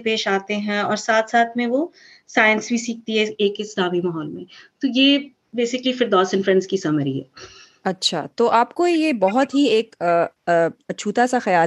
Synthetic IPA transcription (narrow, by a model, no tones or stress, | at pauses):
peːʃaːt̪eɦɛ̃ɔːɾsaːt̪ʰsaːt̪ʰmẽʋo | saːjə̃nsbʱisiːk̚t̪iɦɛeːkɪsd̪aːbimaːɦɔːlmẽt̪ojeː | beːsɪklifɪɾd̪ɔːsɪ̃nfɾɛ̃nskisɐməɾiɦɛ̰ː | ɐtːʃʰa̰t̪oːʔaːpkojebɔɦɔt̪ɦieːk | ɐt͡ʃʰuːt̪asaxɐjaːl